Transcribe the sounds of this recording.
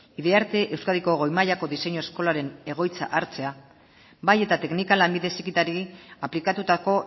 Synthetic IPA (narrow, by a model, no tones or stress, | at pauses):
iðe̞aɾt̪e̞ʔewskaðiko̞ɣojmaʎako̞ðise̞ɲoesko̞laɾe̞ne̞ɣ̞o̞jt͡sa̰ʔaɾt͡se̞a | baje̞t̪at̪e̞knikalambiðe̞sikit̪aɾiaplikat̪ut̪ako̞